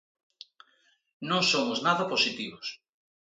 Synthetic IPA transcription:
nõŋsomʊznaðɐposit̪iβos

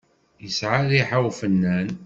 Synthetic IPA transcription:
jəsʕaðiħawfənːæn

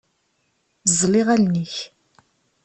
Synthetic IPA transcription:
zˤliʁælnəç

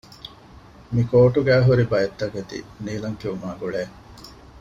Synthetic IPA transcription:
mikoːʈuɡæːɦuɾibɐjet̪ːɐket̪ḭniːlɐŋkiumaːɡuɭeː

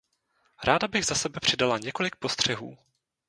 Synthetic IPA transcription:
ɾaːdabɪɣzasɛbɛpr̥ɪdalaɲɛko̞lɪk̚po̞st̪r̝̥ɛɦṵː

